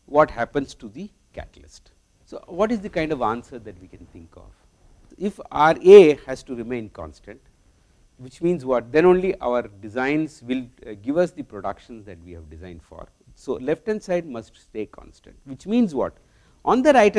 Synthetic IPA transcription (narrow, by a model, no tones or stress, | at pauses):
ʋɔːʈhæpə̃nzʈud̪i | kæ̰ʈəlɪ̰sʈ | soːʋɔːʈɪzd̪ikãɪ̃ɳɖɔʋãːnsəɾd̪æʈʋiːkɛ̃nt̪ʰɪ̃ŋkɔ̰ʋ | ɪfa̰əɾeːhæzʈuɾɪmẽɪ̃nkɔ̰̃nsʈə̃ɳʈ | ʋɪt͡ʃmĩːnzʋɔʈ̚d̪ɛ̃ñõːnliʔa̰ʊəɾɖɪzãɪ̃nzʋɪlɡɪʋʌsd̪ipɾoɖʌkʃə̃nsd̪æʈʋiːhæʋɖɪzãɪ̃nɖfɔ̰ːɾ | soːlɛfʈɛ̃nsaɪɖ̚mʌsʈsʈeːkʰɔ̰̃nsʈə̰̃ɳʈʋɪt͡ʃmĩːnzʋɔ̰ʈ | ʔɔ̃nd̪əɾaɪʈ